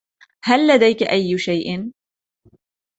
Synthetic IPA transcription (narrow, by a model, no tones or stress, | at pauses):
halːad̪ajkaʔajːʃajʔɪn